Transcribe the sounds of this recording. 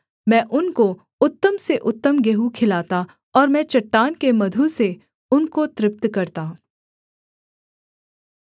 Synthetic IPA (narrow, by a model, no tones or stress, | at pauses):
mɛ̃ːʔʊnko | ʊt̪ːəmseʔʊt̪ːəmɡeɦukʰɪlaːt̪a | ɔːɾmɛ̃ːt͡ʃɐʈːaːnkemɐd̪ʱuse | ʊnkot̪ɾɪp̚t̪kɐɾt̪aː